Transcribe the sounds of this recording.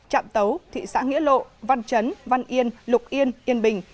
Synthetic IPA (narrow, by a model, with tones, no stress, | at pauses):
t͡ɕa̰ː˧˨mt̪ə˨˦wt̪ʰḭ˧˨sa̰ː˧˥ŋḭ˧˥əlo̰˧˨va˧nt͡ɕə˨˦nva˧nʔi˧ənlʊ˨˩k͡p̚ʔi˧ənʔi˧ənɓï˨˩ŋ̟